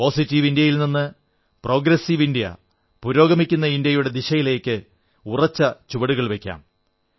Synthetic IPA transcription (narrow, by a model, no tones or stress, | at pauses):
po̞ːsitːiʋindjɐjilninːɨ | pro̞ːɡɾɐsiʋindijɐ̰ | puɾo̞ːɡɐmikʲːunːɐindjɐjuɽe̞d̪iɕɐjile̞ːkʲːɨ | urɐt͡ɕːɐt͡ɕuʋɐɽuɣɐɭʋe̞kʲːa̰ːm